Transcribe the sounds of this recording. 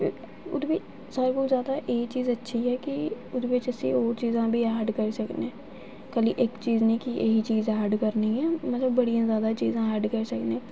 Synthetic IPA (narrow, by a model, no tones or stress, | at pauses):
ʊ̰d̪bi | saːɾkozjaːd̪aʔeːit͡ʃiːzɐtːʃʰiɦɛki | ʊd̪bet͡ʃɛsḭɔːɾt͡ʃiːzãbʱiaːɖkəɾsɐkneː | kɐliʔeːkt͡ʃiːznĩkiḛɦit͡ʃiːzaːɾɖkəɾniɦɛːmɐt̪ləbːɐɽijãzjaːd̪at͡ʃḭːzãaːɖkəɾsɐknẽː